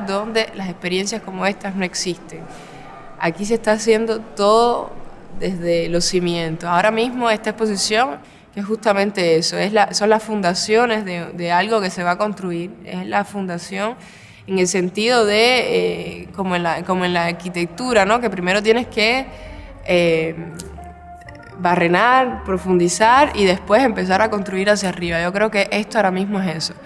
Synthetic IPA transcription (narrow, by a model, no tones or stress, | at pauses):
ðo̞nd̪e̞lase̞spe̞ɾje̞nsjasko̞mo̞e̞st̪asno̞e̞ksist̪e̞ŋ | a̰kis̬e̞hst̪aːsje̞nd̪o̞t̪o̞ðo | ðe̞zðe̞lo̞simjẽ̞nt̪oao̞ɾamĩzmo̞e̞st̪aespo̞s̬isjo̞ŋ | keesɦust̪amẽnt̪e̞e̞so̞e̞slaso̞ŋlasfund̪asjo̞ne̞zðed̪e̞alɣo̞ke̞se̞βako̞nst̪ɾuiɾḛslafund̪asjo̞ŋ | eŋe̞lse̞nt̪iðo̞ðe̞eko̞moenlako̞moeŋlaːɾkit̪e̞k̚t̪uɾano̞ke̞pɾime̞ɾo̞t̪̬je̞ne̞ske̞ | e | bare̞naɾpɾo̞fund̪isaɾiðe̞spwe̞se̞mpe̞s̬aɾako̞nst̪ɾuiɾasjariβaʝo̞kɾe̞oke̞ʔest̪ooɾamĩzmoese̞so̞